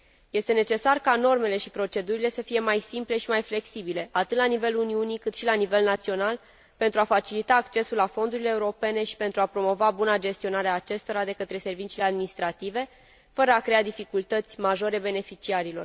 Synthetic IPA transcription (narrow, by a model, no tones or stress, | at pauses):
je̞st̪e̞ne̞t͡ʃe̞sarkano̞rme̞le̞ʃipɾo̞t͡ʃe̞d̪uɾile̞səfije̞majsimple̞ʃimajfle̞ksibile̞at̪ɨt̪lanive̞luniunikɨt̪ʃilanive̞lnat̪sio̞nal | pe̞nt̪ɾuafat͡ʃilit̪aːkt͡ʃe̞sulafo̞nd̪uɾile̞ːuɾo̞pe̞ne̞ʃi̥pe̞nt̪ɾuapɾo̞mo̞vabunad͡ʒe̞st̪io̞naɾeaːt͡ʃe̞st̪o̞ɾad̪e̞kət̪ɾe̞se̞rvit͡ʃilead̪minist̪ɾat̪ive̞ | fəɾəakɾe̞ad̪ifikult̪ət̪sʲmaʒo̞ɾe̞be̞ne̞fit͡ʃiaɾilo̞̰r